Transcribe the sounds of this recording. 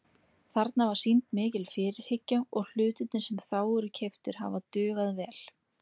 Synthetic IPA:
θaɾt̪navaɾ̥sint̪mɪːcɪlfɪɾɪɾ̥hɪcːaɔɣl̥ʏːt̪ʏt̪nɪsɛmθaːwʏɾʏcʰeft̪ʏɾ̥ɦa̰vat̪ʏːɣaðvɛːl̥

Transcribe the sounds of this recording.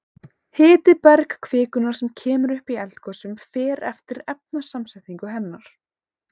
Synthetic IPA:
hɪːt̪ɪpɛɾkkʰvɪːkʏnaɾ̥sɛmcʰɛːmʏɾʏhpiɛlt̪kʰɔsʏmfɛːɾɛ̰ft̪ɪɾɛp̚nḁsamsɛjt̪niŋkʏɦɛnːaɾ̥

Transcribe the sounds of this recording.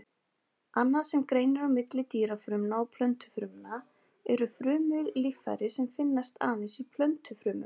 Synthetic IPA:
anːaðsɛmkɾejnɪɾawmɪt̪lɪt̪iːɾafɾʏmnaɔpʰlœnt̪ʏ̥fɾʏmna | ɛɾʏfɾʏːmʏllifθa̰ɾɪsɛmfɪnːast̪a̰ːðɪsʏpʰlœnt̪ʏfɾʏːmʏ̰m

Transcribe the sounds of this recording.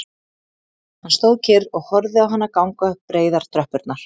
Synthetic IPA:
hanːst̪oːwðcʰɪɾɔɣhɔɾðɪawɦanːakawŋkœpːɾeːjðaɾ̥t̪ʰɾœhpʏɾt̪naɾ̥

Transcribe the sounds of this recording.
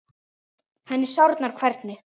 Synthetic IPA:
hanːɪ̥sawɾt̪naɾ̥kʰvɛɾt̪nɪ

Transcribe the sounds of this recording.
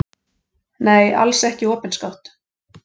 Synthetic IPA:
neːjʔa̰lsɛhcɪɔːpɪnskawht̪

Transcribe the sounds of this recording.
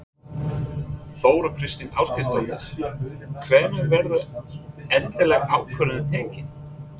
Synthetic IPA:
θoːwɾakʰɾɪst̪ɪna̰ːwskɪst̪ɔnt̪ɪɾ̥kʰvɛːmʏnvɛɾðʏ | ɛnt̪ɪlɛɣaːwkʰvœlʏðɪt̪ʰejɲcɪn

